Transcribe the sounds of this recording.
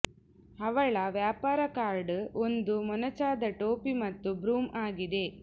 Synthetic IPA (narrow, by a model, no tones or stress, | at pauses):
hɐʋɐɭɐʋjaːpaːɾɐkaːɾɖond̪umɔnɐt͡ʃaːd̪ɐʈoːpimɐt̪ːubɾuːmaːɡid̪e̞